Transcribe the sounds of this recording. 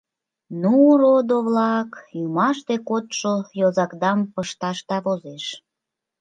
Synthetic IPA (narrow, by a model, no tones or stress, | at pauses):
nurod̪oβlɑkjumɑʃt̪ekot̪ʃojozɑkd̪ɑmpəʃt̪ɑʃt̪ɑβozeʃ